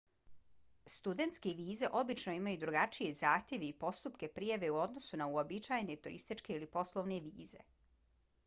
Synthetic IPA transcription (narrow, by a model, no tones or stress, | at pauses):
st̪ud̪e̞nt̪skeʋiːze̞ʔo̞bit͡ʃno̞imajud̪ɾuɡat͡ʃije̞zaːxt̪ʲje̞ʋeipo̞st̪upke̞pɾijaʋe̞uo̞d̪no̞sunauobit͡ʃaːjnet̪ṵɾḭst̪it͡ʃke̞ilipo̞slˠoʋneʋiːze̞̰